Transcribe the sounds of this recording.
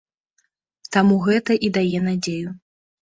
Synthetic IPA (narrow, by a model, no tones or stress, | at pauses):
t̪amuɣɛt̪ɐʔid̪ajɛn̪ad͡zʲeju